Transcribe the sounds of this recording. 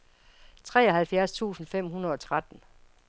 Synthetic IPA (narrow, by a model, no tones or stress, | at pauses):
t͡sʰʁɛ̰ːɒɦælfjæɐst͡sʰṵːsn̩fem̰hunɐð̞ˠɒ̽t͡sʰʁad̥n̩